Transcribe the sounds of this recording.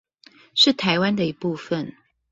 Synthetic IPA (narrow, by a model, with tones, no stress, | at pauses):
ʂɻ̩˥˩t̪ʰa˧˥ɪwa˦nd̪ə˨i˧˥pu˥˩fə˨n